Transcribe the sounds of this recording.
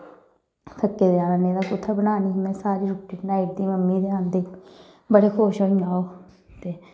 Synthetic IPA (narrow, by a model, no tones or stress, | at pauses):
t̪ʰəkːeːd̪eaːnaːnẽːd̪aːkʊt̪ʰːəbənaːniːmɛ̃ːsaːɾiːɾʊʈiːʈnaːiʈ̚d̪iːməmːiːd̪eːãːnd̪eː | bəɽeːkʰoːʃoːĩːaːoː | t̪eː